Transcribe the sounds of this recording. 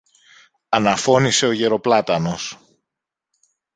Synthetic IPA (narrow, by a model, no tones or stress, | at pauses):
ɐnɐfo̞nise̞o̞ʝe̞ɾo̞plɐt̪ɐno̞s